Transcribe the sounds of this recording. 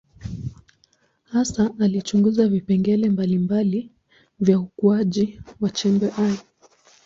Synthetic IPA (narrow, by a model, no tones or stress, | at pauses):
hasaːlit͡ʃuŋɡuzavipɛŋɡɛlɛmbalimbali | vjaukuaʄiwat͡ʃɛmbɛʔaj